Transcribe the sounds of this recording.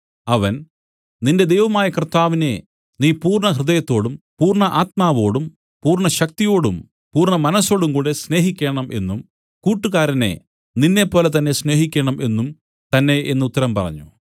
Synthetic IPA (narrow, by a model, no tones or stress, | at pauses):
ɐʋɐn | ninde̞d̪e̞jʋɐmaːjɐkrt̪ːaːʋine̞ | niːpuːrɳɐɦrɨðɐjɐt̪ːo̞ːɽumpuːrɳɐʔaːt̪̚maːʋo̞ːɽum | puːrɳɐɕɐk̚t̪ijo̞ːɽṵm | puːrɳɐmɐnɐsːo̞ːɽumkuːɽesne̞ːɦikʲːe̞ːɳɐmʔe̞nːum | kuːʈːuɣaːɾɐne̞̰ | ninːe̞pːo̞ːlɐt̪̬ɐnːe̞sne̞ːɦikʲːeːɳɐmʔe̞nːum | t̪ɐnːe̞ʔenːɐut̪ːɐɾɐmpɐrɐ̰ɲːṵ